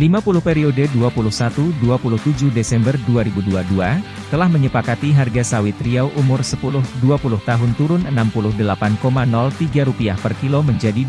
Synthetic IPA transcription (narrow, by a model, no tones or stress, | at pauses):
limapulʊhpeɾiodeduapulʊhsat̪uduapulʊht̪ud͡ʒuhdesɛmbərduaɾibuduadua | t̪əlahməɲəpakat̪iɦarɡasawɪt̪ɾiawʔumʊrsəpulʊhduapulʊht̪aɦʊnt̪uɾʊnənampulʊhdəlapankomanɔlt̪iɡaɾupiahpərkiloməɲd͡ʒadi